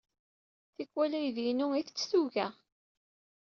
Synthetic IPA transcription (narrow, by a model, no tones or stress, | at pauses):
θikʷːwælæjðinuiθt͡sːθuʝæ